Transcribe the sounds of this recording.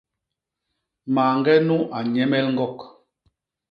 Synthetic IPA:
maː˨ŋɡɛ˦nu˦ʔa˨ɲɛ˦mɛ˦lŋ̩˦ɡɔ˦˨k

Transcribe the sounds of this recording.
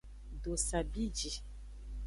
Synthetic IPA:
do˨sa˨bi˦d͡ʒi˨

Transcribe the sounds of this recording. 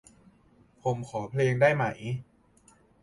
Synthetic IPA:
pʰo˨˩˦mkʰɔː˩˦pʰleː˧ŋdaː˥˩jma˦˩j

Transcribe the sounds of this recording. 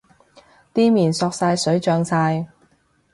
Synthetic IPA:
t̪iː˥miː˨˩nsɔː˧k̚saː˧jsɵ˨˥ɥt͡ʃœː˧ŋsaː˧j

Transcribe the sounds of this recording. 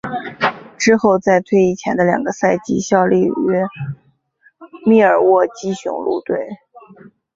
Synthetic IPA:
ʈ͡ʂɻ̩˥xo˥˧ʊt͡sa˥˧ɪt̪ʰwe˥˧ɪi˥˩t͡ɕʰjɛ˧˥nd̪ə˧ljɑ̰˨˩ŋɡə˦sa˥˩ɪt͡ɕi˥˩ɕjɑ˥˧ʊlḭ˥˩ɛ˥ | mi˥˩ə˞˨˩wɔ˥˩t͡ɕi˥ɕʊ̰˧˥ŋlṵ˥˧t̪we˥˩ɪ

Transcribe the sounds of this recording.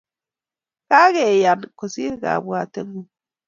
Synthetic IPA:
ka˦ɣe˨ja˨nko˨si˦ɡa̰˨bwa˨te˦ŋ˦ɡu˦

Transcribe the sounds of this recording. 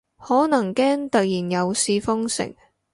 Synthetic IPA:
hɔː˨˥nɐ˨˩ŋkɛː˥ŋt̪ɐ˨t̚jiː˨˩njɐ˨˧wsiː˧fʊ˥ŋsɪ̰˨˩ŋ

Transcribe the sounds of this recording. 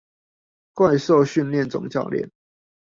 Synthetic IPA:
kwa˥˧ɪso˥˨ʊɕy˥˧nljɛ˥˨nt͡sʊ̰˨˩ŋt͡ɕjɑ̰˥˧ʊljɛ̰˥˨n

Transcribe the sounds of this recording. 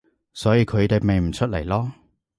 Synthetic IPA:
sɔː˨˥jiː˨˧kʰɵ˨˧ɥt̪e˨˧me˨jm̩˨˩t͡ʃʰɵ˥t̚le˨˩jlɔː˥

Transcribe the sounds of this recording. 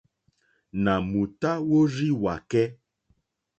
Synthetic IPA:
na˨mu˨ta˦wo˦ɾi˦wa˨kɛ˦

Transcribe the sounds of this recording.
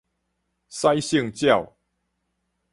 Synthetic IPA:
sa˦ɪɕi˥˨ŋt͡ɕjɑ˥˨ʊ

